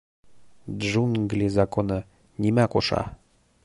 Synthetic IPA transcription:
d̪ʒunɡlʲizɑkonɤ | nʲimækoʃɑ̰

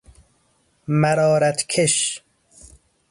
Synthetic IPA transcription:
mæɾɔːɾæt̪kʰeʃ

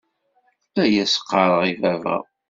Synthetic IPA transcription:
læjæsqːɑɾˤəʁivævə̰ʁ

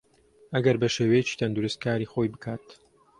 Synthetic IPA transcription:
ʔɐɡɐɾbɐʃeːwɛjet͡ʃi̥ːt̪ʰɐnd̪uɾɨst̪̚kaːɾixo̞jbɨkʰaːt̪

